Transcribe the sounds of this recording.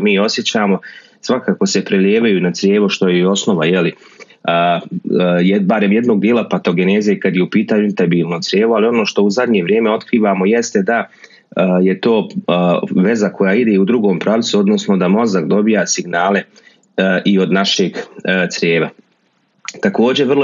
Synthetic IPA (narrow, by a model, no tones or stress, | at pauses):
miːo̞sje̞t͡ɕaːmo̞ | sʋakaːko̞se̞pɾelʎʲeːʋajunat̪sɾjeːʋoʃt̪o̞jeo̞sno̞ʋaje̞li | ə | jbaɾe̞mje̞d̪no̞ɡ̚d̪jelˠapat̪o̞ɡeneːzijekad̪jeupiːt̪aːɲuint̪abiːlˠnosɾjeːʋualio̞no̞ːʃt̪o̞uzad̪ɲe̞ʋɾjeːme̞o̞t̪kɾiːʋaːmo̞je̞st̪e̞d̪a | je̞t̪o̞ː | ʋe̞zakʰo̞jaːid̪e̞ud̪ɾuɡo̞ːmpɾaʋt̪suo̞d̪no̞sno̞d̪amo̞zakd̪o̞bijaːsiɡnaːle̞ | ʔio̞d̪naʃe̞ɡt̪sɾʲjeːʋa | t̪ako̞ːd͡ʑeʋrlˠo